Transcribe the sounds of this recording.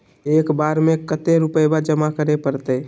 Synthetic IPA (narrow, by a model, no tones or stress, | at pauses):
ekbaɾmekət̪eɾupəjbad͡ʒəmakəɾepəɾt̪ə